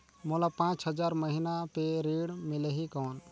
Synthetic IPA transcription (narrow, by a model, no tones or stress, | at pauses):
molapãːt͡ʃɦəd͡ʒaːɾməɦinapeɾiːɽmɪləɦikɔːn